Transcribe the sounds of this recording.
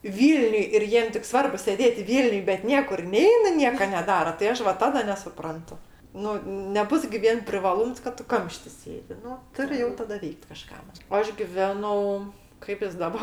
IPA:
ˈʋʲiːlʲnʲʊj ɪr ˈjiɛm tʲɪk ˈsʋɐrbʊ sʲeːˈdʲeːtʲ ˈʋʲiːlʲnʲʊj bʲɛt ˈnʲiɛkʊr ˈnʲɛɪnɐ ˈnʲiɛkɐ nʲɛˈdɑːrɐ tɐɪ ˈɐʃ ʋɐ ˈtɑːdɐ nʲɛsʊˈprɐntʊ ˈnʊ nʲɛˈbʊs ɡʲɪ ˈʋʲiɛn pʲrʲɪʋɐˈlˠuːms kɐt ˈtʊ ˈkɐmʲʃʲtʲɪ ˈsʲeːdʲɪ ˈnʊ ˈtʊrʲɪ jɛʊ ˈtɑːdɐ ˈʋʲɛɪkt kɐˈʃkɐ oː ˈɐʃ ɡʲɪˈʋʲæːnɐʊ kɐɪp jɪs ˈdɑːbɐ

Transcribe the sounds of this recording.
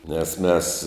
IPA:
nʲɛs ˈmʲɛs

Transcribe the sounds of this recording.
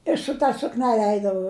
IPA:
ɪ sʊ tɐ sʊkˈnʲæːlʲɛ ˈɛɪdɐʋɐʊ

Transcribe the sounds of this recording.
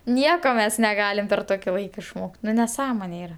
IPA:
ˈnʲiɛkoː ˈmʲɛs nʲɛˈɡɑːlʲɪm pʲɛr ˈtoːkʲɪ ˈlˠɐɪkɐ ɪʃˈmoːkʲtʲ ˈnʊ nʲɛˈsɑːmoːnʲɛ ˈiːrɐ

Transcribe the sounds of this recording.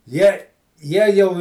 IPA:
ˈjiɛ ˈjiɛ jɛʊ

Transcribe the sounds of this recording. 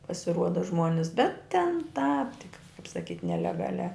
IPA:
pɐsʲɪˈruɔdɐ ˈʒmuɔnʲɪs bʲɛt tʲɛn tɑːp tʲɪk kɐɪp sɐˈkʲiːt nʲɛlʲɛɡɐˈlʲæː

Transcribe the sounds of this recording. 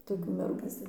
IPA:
toːˈkʲuː mʲɛrˈɡuː

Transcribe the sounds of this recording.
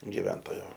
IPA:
ɡʲɪˈʋʲɛntoːjoː

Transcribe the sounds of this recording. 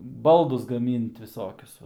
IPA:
ˈbɐlˠdʊs ɡɐˈmʲiːnt ʋʲɪˈsoːkʲʊs ˈʋɐ

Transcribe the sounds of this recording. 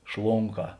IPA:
ˈʃlˠoːŋˌkɑː

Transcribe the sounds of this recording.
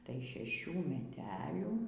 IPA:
tɐɪ ʃʲɛˈʃʲuː mʲɛˈtʲæːlʲuː

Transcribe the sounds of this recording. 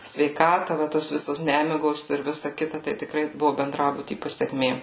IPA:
sʲʋʲɛɪˈkɑːtɐ ʋɐ toːs ˈʋʲɪsoːs ˈnʲæːmʲɪɡoːs ɪr ˈʋʲɪsɐ ˈkʲɪtɐ tɐɪ tʲɪkˈrɐɪ ˈbʊʋʊ bʲɛnˈdrɑːbʊtʲiː pɐsʲɛˈkmʲeː

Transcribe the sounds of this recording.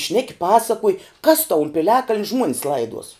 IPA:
ˈʃʲnʲæːkʲɪ ˈpɑːsɐkuɔj kɐs tɐʊ ʊn pʲɪˈlʲæːkɐlʲnʲ ˈʒmuɔnʲɪs ˈlˠɐɪduɔs

